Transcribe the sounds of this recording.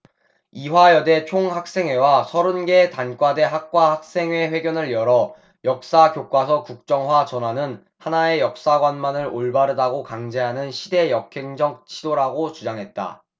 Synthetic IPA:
iwajʌde̞t͡ɕʰoŋhak̚s͈e̞ŋwe̞wasʰʌɾɯnɡe̞tank͈wade̞ɦak̚k͈wahak̚s͈e̞ŋwe̞ɸwe̞ɡjʌnɯɭjʌɾʌ | jʌk̚s͈akjok͈wasʰʌkuk̚t͡ɕ͈ʌŋɦwat͡ɕʌnɦwanɯn | hanae̞jʌk̚s͈aɡwanmanɯɾoɭbaɾɯdaɡokaŋd͡ʑe̞ɦanɯnɕʰide̞jʌkʰe̞ŋd͡ʑʌk̚t͡ɕʰidoɾaɡot͡ɕud͡ʑaŋɦe̞t̚t͈a̰

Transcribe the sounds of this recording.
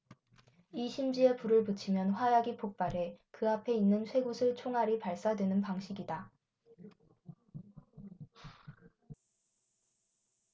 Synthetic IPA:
iɕʰimd͡ʑie̞puɾɯɭpɯt͡ɕʰimjʌnɸwajaɡipʰok̚p͈aɾe̞kɯapʰe̞inːɯnsʰwe̞ɡosʰɯɭt͡ɕʰoŋɦaɾipaɭs͈adwe̞nɯnpaŋɕʰiɡida

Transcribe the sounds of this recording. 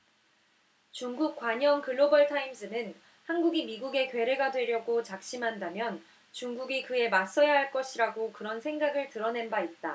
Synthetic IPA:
t͡ɕuŋɡuk̚k͈waɲʌŋkɯɭːobʌɭtʰaims͈ʰɯnɯn | hanɡuɡimiɡuɡe̞kɥe̞ɾe̞ɡadwe̞ɾjʌɡot͡ɕak̚ɕ͈imɦandamjʌn | t͡ɕuŋɡuɡikɯe̞mas͈ʌjaɦaɭk͈ʌɕʰiɾaɡokɯɾʌnsʰe̞ŋɡaɡɯɭtɯɾʌne̞nbait̚t͈a̰

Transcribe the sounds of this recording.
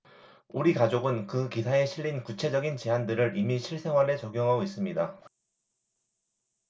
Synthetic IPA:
uɾikad͡ʑoɡɯnkɯkisʰae̞ɕʰiʎːinkut͡ɕʰe̞d͡ʑʌɡint͡ɕe̞ɦandɯɾɯɾʔimiɕʰiɭsʰe̞ŋɦwaɾe̞t͡ɕʌɡjoŋɦaɡois͈ɯmɲida

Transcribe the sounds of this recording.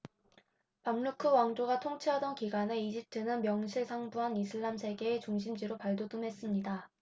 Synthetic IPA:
pamɭukʰɯwaŋd͡ʑoɡatʰoŋt͡ɕʰiɦadʌnkiɡwaneid͡ʑip̚tʰɯnɯnmjʌŋɕʰiɭsʰaŋbuɦanisʰɯɭːamsʰe̞ɡe̞ːt͡ɕuŋɕʰimd͡ʑiɾopaɭdodɯmɦe̞s͈ɯmɲida

